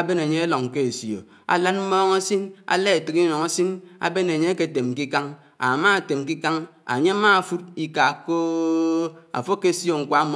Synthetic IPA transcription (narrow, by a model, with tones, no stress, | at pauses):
a˦be˦ne˨ɲe˦e˦lɔ˨ŋ˨ke˦e˨sjo̰˨ | a̰˨la˦nm̩˦mɔː˦ŋa˦si˦na̰˦le˦e˨tɨ˨ki˦nɔ˨ŋa˦si˦na̰˨be˦ne˨ɲe˦ke˦˨te˨m˨ki˦ka˦ŋ | a̰˨ma˦a˨te˨m˨k̬i˦ka˦ŋa̰˨ɲe˦a˦ma˦˨fu˦t̚i˦ka˨ko˦ | a̰˨fo˦kːe˦sjo˦˨ŋ̩˨kʷa˦m˨